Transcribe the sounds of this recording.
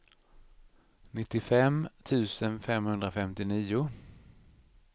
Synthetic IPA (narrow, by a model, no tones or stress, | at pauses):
nɪt̪ːɪfɛmt̪ʰʉ̟ːsənfɛmhɵnd̪ɾafɛmt̪ɪniːʊ